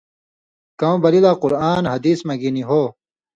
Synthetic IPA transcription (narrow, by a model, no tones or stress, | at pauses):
kɐ̃õbɐlilaːquɾaːnhɐd̪iːsmɐɡiniɦoː